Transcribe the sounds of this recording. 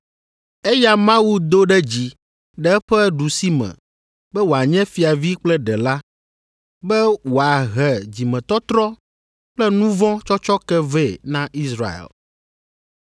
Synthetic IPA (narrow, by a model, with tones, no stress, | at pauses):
e˦ja˦mã˦wu˦d̪o˦ɖɛ˦d͡ʑi˨ | ɖɛ˦ɸɛ˦ɖu˨si˦mɛ̰̃˨ | bɛ˦wo˨a˨ɲɛ̃˦fi˨a˨vi˦k͡plɛ˦ɖɛ˨la˦ | bɛ˦wo˨a˨ɦɛ˨d͡ʑi˨mɛ̃˨t̪ɔ˦t̪ɾɔ˦ | k͡plɛ˦nũ˦vɔ̃˦t͡ʃɔ˦t͡ʃɔ˦kɛ˦vɛ˦˨nã˦ʔi˦sɾa̰˨ḛ˨l